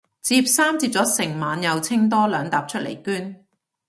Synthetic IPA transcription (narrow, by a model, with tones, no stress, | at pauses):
t͡siː˧p̚saː˥mt͡siː˧p̚t͡sɔː˨˥sɪ˨˩ŋmaː˨˧njɐ˨˧wt͡sʰɪ˥ŋt̪̬ɔː˥lœː˨˧ŋt̪aː˨p̚t͡ʃʰɵ˥lḛ˨˩jkyː˥n